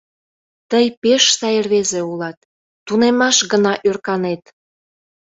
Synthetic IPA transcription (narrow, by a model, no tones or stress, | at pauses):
t̪əjpeʃsɑjerβezeulɑt̪̚ː | unemɑʃɡənɑʔørkɑnet̪